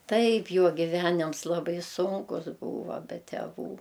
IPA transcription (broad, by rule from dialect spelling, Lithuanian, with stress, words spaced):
ˈtɐɪp ˈjoː ɡʲɪˈʋʲæːnʲɪms lˠɐˈbɐɪ ˈsʊŋkʊs ˈbuːʋɐ bʲɛ tʲɛˈʋuː